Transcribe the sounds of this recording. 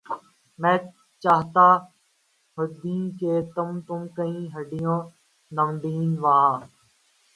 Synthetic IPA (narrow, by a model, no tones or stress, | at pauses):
mɛ̃ː | t͡ʃaːɦt̪aː | ɦʊd̪ĩːkeːt̪ʊmt̪ʊmkəĩːɦəɖɪjõː | nəmd̪iːnʋaː